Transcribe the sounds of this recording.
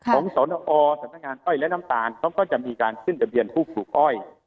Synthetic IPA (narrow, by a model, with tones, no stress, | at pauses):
kʰɔː˨˦ŋsɔː˩˦n˧ʔɔː˧sa˨˦mna˥k̚ŋaː˧nʔɔ˥˩jlɛ˦˥na˦˥mt̪aː˨˧nkʰa˦˥wkɔː˥˩t͡ɕa˨˩miː˧kaː˧nkʰɯ˥˩nda˧bi˧ənpʰuː˥˩p̚suː˨˩k̚ʔɔ˥˩j